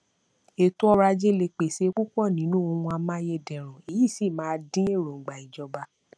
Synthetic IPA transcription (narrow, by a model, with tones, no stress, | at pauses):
e˨tũ˦ɔ˧ɾa˧d͡ʒe˦le˧k͡pe˨se˨˦ku˦kɔ˦˨nĩ˨˦nũ˦o˧wũ˧a˧mã˦je˦˨dɛ̃˨ɾ̃ũ˨i˨ji˦˨si˦˨mãː˨˦˧dĩ˦e˦˨ɾo˨ɡ͡ba˨i˨d͡ʒɔ˧ba˧